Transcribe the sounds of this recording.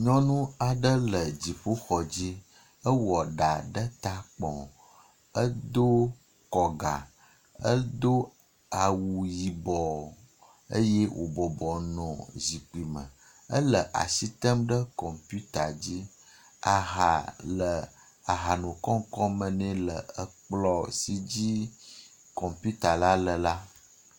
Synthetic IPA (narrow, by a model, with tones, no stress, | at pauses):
ɲɔ̃˦nũ˦a˨ɖə˦lə˨d͡ʑi˨ɸo˦xɔ˨d͡ʑi˦ | ə˦wɔ˨ɖa˨ɖə˦t̪a˦k͡pɔ̰̃˨ | ə˦d̪o˦ | kɔ˨ɡa̰˨ | ə˦d̪o˦ | a˨wu˨ji˨bɔ˨ | ə˦je˦wʔo̰˨bɔ˨bɔ˨nɔ̃˨zi˨k͡pi˨mə̰˨ | ə˦lə˨ʔa̰˨si˦t̪ə˦mɖə˦kɔ˨mpu˦t̪a˨d͡ʑi˦ | a˨ɦa˨lə˨ | a˨ɦa˨nũ˨kɔ̃˦ŋ˦kɔ˦mə˨nɛ̃˦lə˨ə˦k͡plɔ˦si˦d͡ʑi˦ | kɔ˨mpu˦t̪a˨la˦lə˨la˦